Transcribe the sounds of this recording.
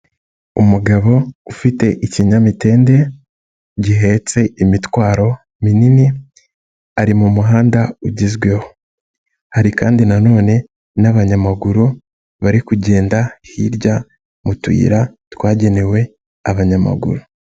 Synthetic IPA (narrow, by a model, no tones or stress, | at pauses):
umuɡaβo̞ufite̞ʔiciɲamite̞ːnde̞ | ɟiɦe̞t͡se̞imitwaːɾo̞ | minini | aɾimumuɦaːndauɟizɡwe̞ho | haɾikaːndinano̞ːne̞ | naβaɲamaɡuɾu | βaɾikuɟe̞ːndahiɾɟa | mutwḭːɾatwaːɟe̞ne̞we̞ | aβaɲama̰ɡṵɾu